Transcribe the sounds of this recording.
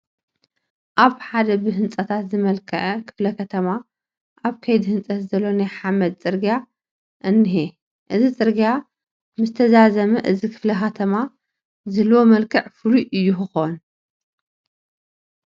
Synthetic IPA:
ʔaβħad̪ɐbɨɦɨnt͡sʼɐt̪ʰat̪zɨmɐlkʰɐʕɐkʰɨ̥flɐkʰɐt̪ʰɐma | ʔaβkʰɐjd̪hɨnt͡sʼɐt̪zɐlːo̞najħamɐd̪̚t͡sʼɨɾɡija | ʔɨnːɨɦe | ʔɨzit͡sʼɨɾɡja | mɨzɨt̪ʰɐzazɐmɐʔɨzikʰɨ̥flɐxɐt̪ʰɐma | zɨlːwomɐlkʰɨʕfɨluʔɨjːuxɨxon

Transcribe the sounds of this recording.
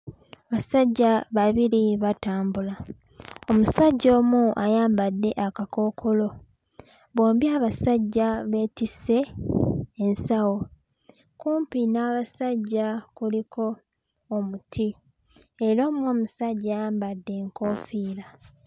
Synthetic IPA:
aβasaɟːaβaβiɾiβataːmbula | omusaɟːo̞ːmuʔajaːmbadːe̞ʔakako̞ːkʰo̞lo̞ | βoːmbjaːβasaɟːaβe̞ːtise̞ː | nsawo̞ | kuːmpinaːβasaɟːakulikʰo̞ː | mutʰi | eɾoːmo̞ːmusaɟːajaːmbadːe̞ːŋko̞ːfiːɾa

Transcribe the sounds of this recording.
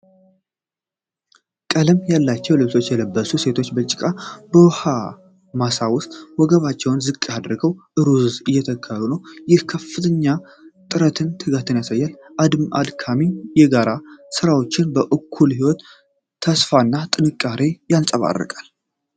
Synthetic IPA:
kʼələmjalːat͡ʃːɛwlət̪ʰo̞t͡ʃːjɛləbːəsuse̞t̪ʰo̞t͡ʃːbət͡ʃʼɪkʼabəwha | masawʊst̪ʼwɔɡəβat͡ʃːɛwnzɨkʼːad̪ɾɨɡəwʔɨɾuzɨjːɛt̪ʰəkʰːəɾunəwjɪhkʰəfːɨt̪ʰəɲːa | t̪ʼɨɾət̪ʰɨnt̪ʰɨɡat̪ɨnjasajːalʔad̪mʔa̰d̪kʰamijɛɡaɾasɨɾawo̞t͡ʃːɪnbəʔɨkʰːulhiwɔt̪ʰː | əsfanːat̪ʼɨnɨkʼːaɾejalsʼəβa̰rːə̰kʼal

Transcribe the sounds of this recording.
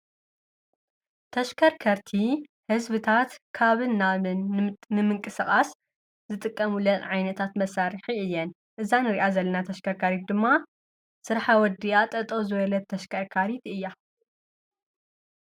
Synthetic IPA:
t̪ʰɐʃkʰɐɾkʰɐɾt̪ʰi | hɨzβɨt̪ʰat̪kʰaβɨnːaβɨnːɨmɨŋkʼɨsɨχʼas | zɨt̪ʼɨkʼːɐmulɐt̪ʼʕajnɐt̪ʰat̪mɐsaɾɨħiɨjːɛn | ʔɨzanɨɾiʔazɐlːɐnat̪ʰɐʃkʰɐɾkʰaɾit̪̚d̪ɨmːa | sɨɾħawɔd̪ijat̪ʼɐt̪ʼozɨβɐlɐt̪̚ʰːɐʃkʰɐɾkʰaɾit̪ʔɨjːa

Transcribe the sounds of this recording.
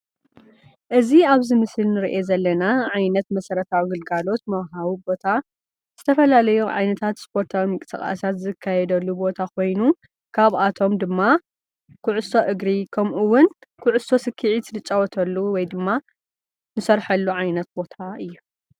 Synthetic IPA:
ʔɨziaβzɨmɨsɨlnɨɾiʔezɐlːɐnaʕajnɐt̪mɐsɐɾɐt̪ʰawiɡɨlɡalo̞t̪mɐwɦawibo̞t̪ʰa | z̥ɨt̪ʰɐfɐlalɐjuʕa̰jnɐt̪ʰat̪spʰo̞ɾt̪ʰawimɨŋkʼɨsɨ̰χʼa̰sat̪zɨkʰːajɛd̪ɐlːubo̞t̪ʰakʰo̞jnu | kʰaβʔat̪ʰo̞md̪ɨmːa | kʰʊʕʊso̞ʔɨɡɾikʰɐmʔuwʊnkʰʊʕʊso̞sɨkʰːiʕit̪ʰlɨt͡ʃʼɐwɔt̪ʰɐlːuwɔjd̪ɨmːa | nɨsɐɾħɐlːuʕajnɐt̪̚bo̞t̪ʰaɨjːu

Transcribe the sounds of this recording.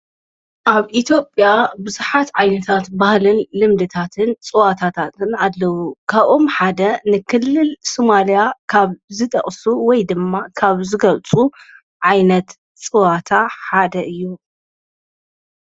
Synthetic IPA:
ʔaβʔit̪ʰjo̞pʼjabɨzuħat̪ʕajnɐt̪ʰat̪bahlɨnlɨmd̪ɨt̪ʰat̪ʰɨnt͡sʼɨwat̪ʰat̪ʰat̪ɨnalːɐwukʰaβʔomħad̪ɐnɨkʰɨlːɨlsomalijakʰaβzɨt̪ʼɐ̰χʼsuwɔjd̪ɨmːakʰaβzɨɡɐlt͡sʼu | ʕajnɐt̪ | t͡sʼɨwat̪ʰaħad̪ɐʔɨjːu

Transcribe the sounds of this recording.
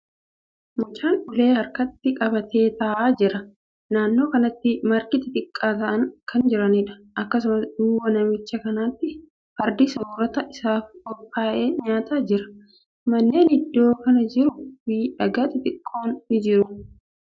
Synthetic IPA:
mʊt͡ʃaːnᶑʊle̞ːhɐɾkɐt̪ːɪkʼɐbɐt̪ʰe̞ːt̪ɐʔaːd͡ʒɪɾɐ | naːnːo̞ːkɐnɐt̪ːɪmɐɾkɪt̪ɪt̪ʼɪkʼːaːt̪ɐʔɐŋkʰɐnd͡ʒɪɾɐnɪᶑɐ̥ʔɐkːɐsʊmɐsd̪ʊwɐnɐmɪt͡ʃːɐkɐnaːt̪ːɪ | fɐɾd̪ɪsoːɾɔt̪ɐʔɪsaːfɔpʼːaːʔeːɲaːt̪ad͡ʒɪɾɐ̥ | mɐnːe̞ːnɪd̪ːo̞ːkɐnɐd͡ʒɪɾʊfɪᶑɐɡaːt̪ɪt̪ʼɪkʼːo̞ːnːɪd͡ʒɪɾʊ

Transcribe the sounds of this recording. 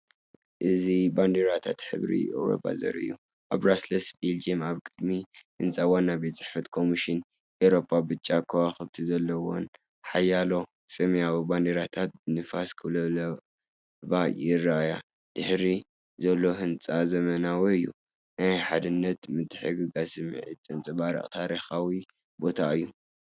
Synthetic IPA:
ʔɨziband̪eɾat̪ʰa̰t̪ħɨ̰βɾḭḛwɾo̰pʰʼːa̰zɐ̰ɾɨ̰jːu | ʔaβɾaslɐsbild͡ʒimaβkʼɨd̪mihɨnt͡sʼawanːabet̪t͡sʼɨ̥ħfɐt̪kʰo̞miʃɪn | ʔewɾo̞pʰʼːabɨt͡ʃʼːakʰɐwaxɨβt̪ʰizɐlːɐwo̰n | ħajalo̞ | sʼɨmjawband̪eɾat̪ʰat̪̚bɨnɨfaskʰɨlɐlɐ | βajɪraʔaja | d̪̥ɨħɾi | zɐlːo̞hɨnt͡sʼazɐmɐnawiɨjːṵ | najħad̪ɨnːɐt̪mɨt̪ʰːɨ̥ħɨɡɨɡasɨm̰ʕḭt̪ʼɨnt͡sʼɨβaɾḭχʼt̪ʰaɾixawi | bo̞t̪ʰaɨjːu

